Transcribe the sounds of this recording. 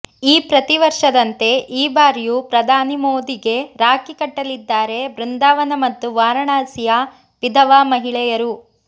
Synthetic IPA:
iːpɾɐt̪iʋɐɾʂɐd̪ɐnt̪e̞ʔiːbaːɾjupɾɐd̪ʱaːnimoːd̪iɡe̞ɾaːkikɐʈːɐlid̪ːaːɾe̞bɾund̪aːʋɐnɐmɐt̪ːuʋaːɾɐɳaːsija | pid̪ʱɐʋaːmɐɦiɭɛjɐɾu

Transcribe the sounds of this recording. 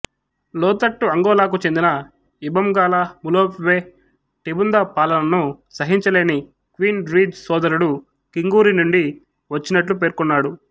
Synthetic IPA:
lɔːt̪ɐʈːuɐŋɡɔːlaːk̬ut͡ʃe̞nd̪inɐ | ibɐmɡaːlɐmuloːpʋeː | ʈibund̪ɐpaːlɐnɐnusɐɦiɲt͡ʃɐle̞ːni | kʋiːnɾiːd͡ʒsɔːd̪ɐɾuɽu | kiŋɡuːɾinuɳɖi | ʋɐt͡ʃːinɐʈlupe̞ːɾkunːaːɽu

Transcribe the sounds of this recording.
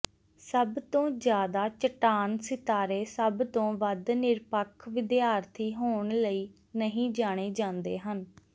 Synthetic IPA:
səbt̪õːd͡ʒjaːd̪aːt͡ʃəʈaːnsɪt̪aːɾeːsəbt̪õːʋəd̪nɪɾpəkʰʋɪd̪ɪaːɾt̪ʰiːɦoːɳləiː | nəɦĩːd͡ʒaːɽ̃eːd͡ʒãːnd̪ḛːɦən

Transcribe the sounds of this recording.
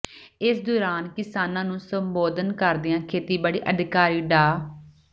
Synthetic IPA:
ɪsd̪oːɾaːnkɪsaːnãːnũːsəmboːd̪ənkəɾd̪ɪjãːkʰeːt̪iːbaːɽḭːʔəd̪ʱɪkaːɾiːɖaː

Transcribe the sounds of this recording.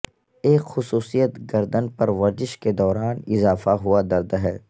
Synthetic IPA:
eːkxʊsuːsijət̪ɡɐɾd̪ənpɐɾʋɐɾzɪʃked̪ɔːɾaːnɪzaːfaɦuad̪ɐɾd̪ɦɛː

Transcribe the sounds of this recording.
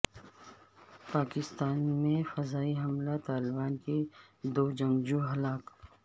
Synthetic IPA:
paːkɪst̪aːnmẽfɐzaːiɦɐmlat̪aːlɪbaːnked̪oːd͡ʒɐ̃ŋɡd͡ʒuɦɐlaːk

